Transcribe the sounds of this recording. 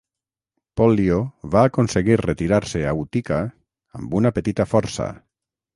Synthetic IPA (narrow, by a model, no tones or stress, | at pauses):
pɔljoβaːkonseɣiɾret̪iɾaɾseaut̪ikaː | mbunapət̪it̪afɔɾsa̰